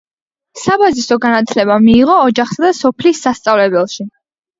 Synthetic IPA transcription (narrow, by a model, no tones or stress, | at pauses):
sabazisɔɡanat̪ʰlɛbamiːʁɔːd͡ʒaχsad̪asɔpʰlisːast̪sʼavlɛbɛlˠʃi